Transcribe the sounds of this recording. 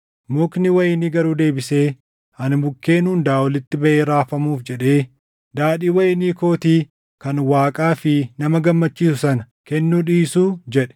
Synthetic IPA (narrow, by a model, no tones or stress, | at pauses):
mʊknɪwɐjɪniɡɐɾuːd̪e̞ːbɪse̞ː | hɐnbʊkːe̞ːnuːnd̪aːwɔlɪt̪ːɪbɐʔeːɾaːfɐmuːfd͡ʒɛᶑe̞ː | d̪aːɗiːwɐjɪniːko̞ːt̪iː | kɐnwaːkʼaːfɪnɐmɐɡɐmːɐt͡ʃːiːsʊsɐnɐ | kɛnːuːᶑiːsuːd͡ʒɛᶑɛ̥